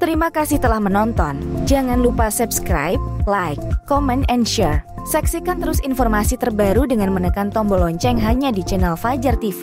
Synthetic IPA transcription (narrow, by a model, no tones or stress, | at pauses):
t̪əɾimakasɪht̪əlahmənɔnt̪ɔnd͡ʒaŋanlupasɛpskɾa̰jp̚lajkːɔmɛnɛnʃɛr | sɛksikant̪əɾʊsinfɔrmasit̪ərbaɾudəŋanmənəkant̪ɔmbɔlɔɲt͡ʃɛŋɦaɲadit͡ʃɛnɛlfad͡ʒərt̪ifi